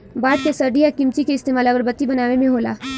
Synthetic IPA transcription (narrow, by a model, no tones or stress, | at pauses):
baːʈ̪̚kesɐɾɖʱijakɪmt͡ʃikeɪst̪eːmaːlɐɡəɾbɐt̪ːibɐnaːʋemẽɦoːla̰ː